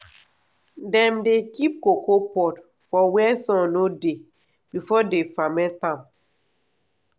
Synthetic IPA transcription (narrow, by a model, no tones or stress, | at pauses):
dɛ̃mdekip̚kokopɔt | fɔwɛsɔ̃node | b̥ifɔdefamɛ̃tãm